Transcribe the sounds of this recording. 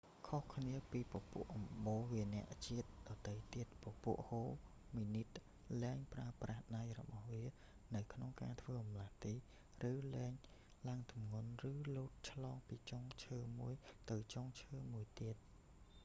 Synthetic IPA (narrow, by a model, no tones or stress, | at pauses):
kʰohkʰniəpiːpɑpṵəʔɑmɓoːʋiənɛ̆əʔt͡ɕiət̪̚ɗɑt̪əjt̪iət̪̚popṵəʔhoː | miːnit̪̚ | lɛːŋpraəprahɗajrɔ̰ɓɑhʋiə | nɨwkʰnoŋkaːt̪ʰʋəːɑmlaht̪iː | rɨːlɛɛŋ | laŋt̪umŋunrɨːluːt̪̚t͡ɕʰlɑːŋpiːt͡ɕoŋt͡ɕʰəːmuəjt̪ɨwt͡ɕoŋt͡ɕʰəːmuəjt̪iət̪̚